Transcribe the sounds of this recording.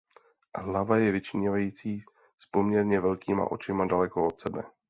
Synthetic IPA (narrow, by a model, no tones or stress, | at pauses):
ɦlavajɛvɪt͡ʃɪɲɛvajiːt͡siː | spo̞mɲɛɾɲɛvɛlkiːma̰ʔo̞̰t͡ʃɪmadalɛko̞o̞t̪sɛbɛ̰